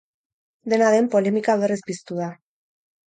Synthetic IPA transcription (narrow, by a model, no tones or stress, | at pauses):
d̪e̞naðe̞mpo̞le̞mikaβerizbist̪uða